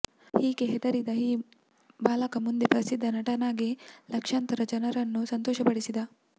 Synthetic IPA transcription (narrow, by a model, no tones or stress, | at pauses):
hiːɡeɦɛd̪ɐɾid̪ɐɦiː | baːlɐkɐmund̪epɾɐsid̪ːɐnɐʈɐnaːɡilɐkʂant̪ɐɾɐd͡ʒɐnɐɾɐnːusɐnt̪ɔːʃɐpɐɽisid̪ɐ